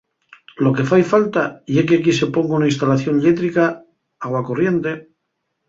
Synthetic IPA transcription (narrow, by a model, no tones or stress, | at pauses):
lo̞ke̞fajfalt̪ajekeakise̞po̞ŋɡunainst̪alaθjo̞nlet̪ɾika | aɣwakorje̞nt̪e̞